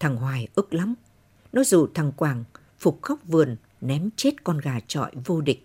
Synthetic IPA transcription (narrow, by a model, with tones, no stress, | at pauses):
t̪ʰaː˨˩ŋɦwaː˨˩jʔɨ˦˥k̚la˨˦m | nɔ˨˦zṵ˧˨˩t̪ʰa˨˩ŋkwaː˨˩ŋ | fʊ˨˩k͡p̚xa˦˥wk͡p̚vɨ˨˩ən | nɛ˨˦mt͡ɕe˦˥t̚kɔ˧nɣaː˨˩t͡ɕɔ̰˧˨jvo˧ɗï˨˩k̟̚